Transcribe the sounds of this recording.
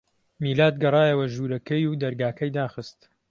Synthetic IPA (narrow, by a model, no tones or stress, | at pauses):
miːlaːt̪̚ɡɐrˤɑːjɐwɐʒuːɾɐkʰɐjud̪ɐɾɡaːkɐjd̪aːxɨst̪